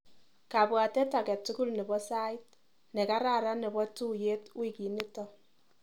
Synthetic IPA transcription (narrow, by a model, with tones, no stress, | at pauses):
ka˨bwa˨tɛ˦ta˨kɛ˨tːu˦ku˦lnɛ˨bɔ˦sa˦ɪ˦t̚ | nɛ˨ka˦ɾa˦˨ɾa˦nɛ˨bɔ˦tu˦je˦twi˨ki˨ni˦tɔ˦